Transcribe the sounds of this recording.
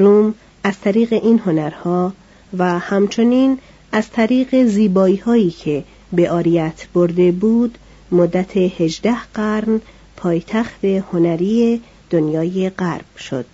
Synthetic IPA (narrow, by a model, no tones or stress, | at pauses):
ɾuːm | æz̥t̪ʰæɾiːɣe̞ʔiːnho̞næɾhɒː | væhæmt͡ʃʰo̞niːn | æz̥t̪ʰæɾiːɣe̞ziːbɒːiːhɒːiːcʰe̞ | be̞ʔɒːɾiæt̪ʰbo̞ɾd̪e̞buːd̪ | mod̪ːæt̪ʰe̞he̞ʒd̪æhɢ̥æɾn | pʰɒːjt̪ʰæxt̪ʰe̞ho̞næɾiːe | d̪̥o̞njɒːje̞ɢæɾb̥̚ʃo̞̰d̪̥